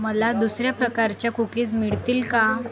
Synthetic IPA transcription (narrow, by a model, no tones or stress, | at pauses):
məlad̪usɾjapɾəkaɾt͡ɕjakukiːt͡smiɭt̪iːlka